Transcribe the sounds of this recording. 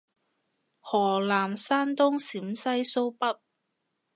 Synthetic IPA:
hɔː˨˩laː˨˩msaː˥nt̪ʊ˥ŋsiː˨˥msɐ˥jso˥wpɐ˥t̚

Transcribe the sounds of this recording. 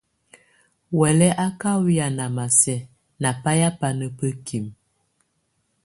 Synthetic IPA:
wɛ˨lɛ˦ʔa˦ka˦wi˦a˨na˨ma˨sɛ˦ | na˨pa˦ja˦pa˦nə˦pə˦kʰi˨m

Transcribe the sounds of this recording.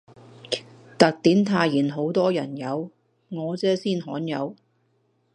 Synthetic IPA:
t̪ɐ˨k̚t̪iː˨˥nt̪ʰaː˧jiː˨˩nɦo˨˥wt̪ɔː˥jɐ˨˩njɐ˨˧w | ŋɔː˨˧t͡sɛː˨˥siː˥˩nhɔː˨˥njɐ̰˨˧w

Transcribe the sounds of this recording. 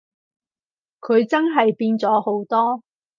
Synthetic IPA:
kʰɵ˨˧ɥt͡sɐ˥nɦɐ˨jpiː˧nt͡sɔː˨˥ho˨˥wt̪ɔː˥

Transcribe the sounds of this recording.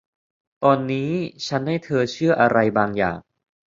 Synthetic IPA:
t̪ɔː˧nːiː˦˥t͡ɕʰa˦˥nha˥˩jt̪ʰɤː˧t͡ɕʰɯ˥˩ɐʔa˧ɾa˧jbaː˧ŋja̰ː˨˩ŋ

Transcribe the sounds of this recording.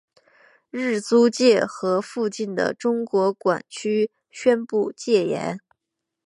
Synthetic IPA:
ɻɻ̩˥˩t͡su˥t͡ɕjɛ˥˩xɤ˧˥fu˥˧t͡ɕi˥˩nd̪ə̰˩ʈ͡ʂʊ˥ŋkwɔ˧˥kwa̰˨˩nt͡ɕʰy˥ | ɕɥɛ˥npu˥˧t͡ɕjɛ˥˩jɛ̰˧˥n

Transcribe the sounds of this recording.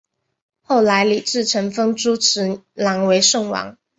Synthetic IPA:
xo˥˩ʊla˧˥ɪli˨˩ʈ͡ʂɻ̩˥˩ʈ͡ʂʰə˧˥ŋfɤ˥ŋʈ͡ʂu˥ʈ͡ʂʰɻ̩˧˥la˧˥ŋwe˧˥ɪʂɤ˥˩ŋwɑ̰˧˥ŋ

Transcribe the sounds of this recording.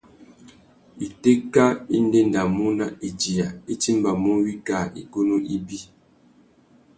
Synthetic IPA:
i˨te˦ka˦i˦n˦de˦n˨da˨mu˦na˦i˨d͡ʒi˨ja˨i˦ti˦mba˨mu˦wi˦ka˦˨ḭ˨ko˦nu˦ʔi˦bi˦

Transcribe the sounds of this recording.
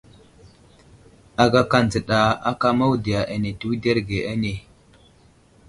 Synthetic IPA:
a˨ɡa˦ka˨n˨d͡zə˨ɗa˨a˦ka˦ma˦wu˦di˨ja˨ʔa˨ne˨tu˦wu˦de˦ɾɡe˨ʔa˦ne˨

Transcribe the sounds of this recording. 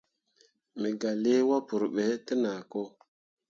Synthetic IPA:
mə˨ɡa˨li˦wa˦pu˨ɾɓe˨˦tə˦na˨ko˦

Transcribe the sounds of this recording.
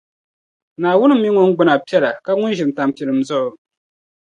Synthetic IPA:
naː˨wʊ˦n˦mi˦ŋʊ˦ŋ̩˦ɡ͡bʊ˨˦na˨pi˦ɛ˦la˨ka˦ŋʊ˦n˦ʒɪ˨m˨ta˨mpi˨ɾɨ˨m̩˦zʊ˦ʔʊ˨

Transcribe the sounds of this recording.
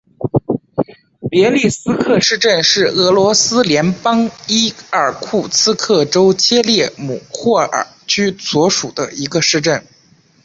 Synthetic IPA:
pjɛ˧˥li˥˩sɹ̩˥kʰɤ˥˧ʂɻ̩˥˧ʈ͡ʂə˥˧nʂɻ̩˥˩ɤ˧˥lwɔ˧˥sɹ̩˥ljɛ˧˥npɑ˥ŋi˥ə˞˨˩kʰu˥˩t͡sʰɹ̩˥kʰɤ˥˩ʈ͡ʂo˥ʊt͡ɕʰjɛ˥ljɛ˥˩mṵ˨˩xwɔ˥˩ə̰˞˨˩t͡ɕʰy˥swɔ˧˥ʂu˨˩d̪ə̰˦i˧˥ɡə˧ʂɻ̩˥˧ʈ͡ʂə˥˩n

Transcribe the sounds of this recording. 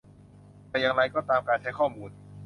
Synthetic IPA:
t̪ɛ˧˩jaː˧ŋɾa˧jkɔː˥˩t̪aː˧mkaː˧nt͡ɕʰa˦˥jkʰɔː˥˩muː˧n

